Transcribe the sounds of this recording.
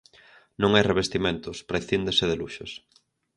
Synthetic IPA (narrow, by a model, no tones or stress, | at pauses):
nõŋajreβ̞est̪imẽnt̪ʊspɾaiθind̪eseðeluʃos